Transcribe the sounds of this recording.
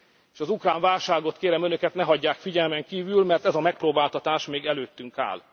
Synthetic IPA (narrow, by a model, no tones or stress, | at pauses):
eːʃɒzukraːɱvaːlʃaːɡo̞t̪keːɾɛmø̞nø̞kɛt̪nɛɦɒɟːaːkfiɟɛlmɛŋkiːvylmɛrt̪ɛzɒmɛk̚proːbaːlt̪ɒt̪aːʃmeːɡɛløːt̪ːyŋka̰ːl